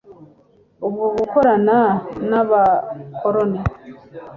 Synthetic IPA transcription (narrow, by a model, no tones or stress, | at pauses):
ubɡoβukoɾananaβakʰoɾone